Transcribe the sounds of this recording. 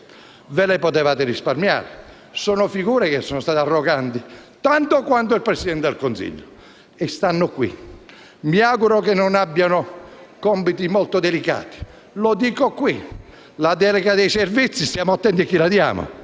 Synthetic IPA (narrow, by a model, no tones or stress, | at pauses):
velepot̪evaːt̪ɪɾisparmja̰ːɾɪ | sɔːnʊfiɡuːɾekesːɔːnost̪aːt̪earːoɡant̪it̪ant̪okwant̪̬oilpɾesid̪ɛnt̪ed̪elkonsḭʎːo | est̪anːʊkwḭ | miaɡuɾokenːʊnabːjanʊkɔmpit̪imɔlt̪od̪elika̰ːt̪i̥ | lod̪iːkokwi | lad̪ɛleɡad̪ejservit̪sːist̪jaːmʊat̪ːɛnt̪iakːilad̪ja̰ːmo̰